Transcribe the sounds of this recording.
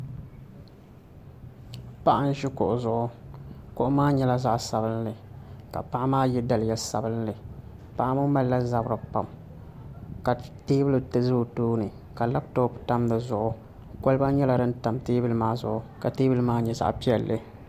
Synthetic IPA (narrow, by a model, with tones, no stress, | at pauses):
pa˦ʔa˦n˦ʒi˦kʊ̰˨ʔʊ˨zʊ˨ʔʊ˦kʊ˦ʔʊ˦maː˦ɲɛ˦la˦za˦ʔsa˨bɨ˦nlɨ˨ka̰˨pa˦ʔa˦maː˦jɛ˦da˨lɪ˨jɛ˨sa̰˨bɨ˦nlɨ˨ | pa˦ʔa˦mʊ˦ma˦lːa˦za˨bɾɨ˨pa̰˨m | ka˨teː˦bɨ˦lɨ˨tɨ˦zʊ˦˨tuː˦nɨ˨ | ka˨la˦b̚to˦pta˦mdɨ˨zʊ˨ʔʊ˦ | ko˦lba˦ɲɛ˦la˨dɨ˦n̩˦ta˨mteː˦bɨ˦lɨ˦maː˦zʊ̰˨ʔʊ˨ka˨teː˦bɨ˦lɨ˦maː˦ɲɛ˨za̰˦ʔpi˦ɛ˨lːɨ˦